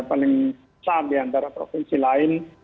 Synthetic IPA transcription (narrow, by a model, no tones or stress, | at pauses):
palɪŋ | saːfd̪iant̪aɾapɾo̰pɪnsilaːɪn